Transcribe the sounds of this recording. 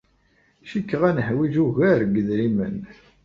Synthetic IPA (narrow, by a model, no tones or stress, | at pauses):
ʃikːʁænəhwiʒuʝæɾɡəðɾimə̰n